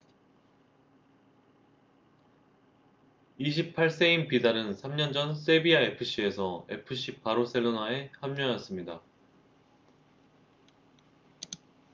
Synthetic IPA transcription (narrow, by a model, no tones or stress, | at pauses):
iɕ̬ʰipʰaɭs͈e̞impidaɾɯnsʰamɲʌnd͡ʑʌns͈e̞biae̞pʰɯɕ͈ie̞sʰʌe̞̰pʰɯɕ͈ipaɾos͈e̞ɭːonae̞hamɲʌɲjʌs͈ɯmɲida